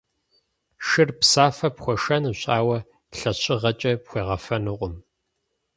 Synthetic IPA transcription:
ʃɨrpsaːfɐpχʷɔʃɐnɨɕʼaːwɐ | ɬɐɕʰʼɪʁɐt͡ʃʼɐpxʷeːʁɐfɐnɨʁʷʊm

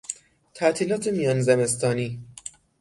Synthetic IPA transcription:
t̪ʰæʔt̪ʰiːlɒːt̪ʰemijɒːnzeme̞st̪ʰɒːniː

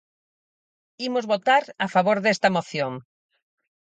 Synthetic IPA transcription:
imozβot̪aɾafaβoɾðɛst̪ɐmoθjoŋ

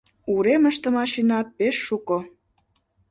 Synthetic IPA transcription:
uɾeməʃt̪ə̆mɑʃinɑpeʃːuko

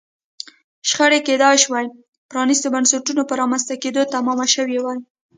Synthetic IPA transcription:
ʃxəɽeked̪ɑjʃwaj | pɾɑnist̪əbansaʈunopəɾɑmanst̪aked̪ot̪amɑmaʃəwewaj

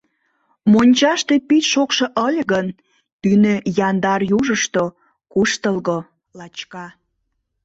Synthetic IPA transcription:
monʲt͡ɕɑʃt̪epit̪ʲʃokʃoʔəlʲɣən | t̪ynøjɑnd̪ɑrjuʒəʃt̪o | kuʃt̪əlɣo | lɑt͡ɕkɑ

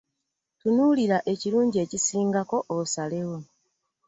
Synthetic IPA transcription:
tunuːliɾaʔe̞ciɾuːɲɟie̞cisiːŋɡako̞ʔosalewo

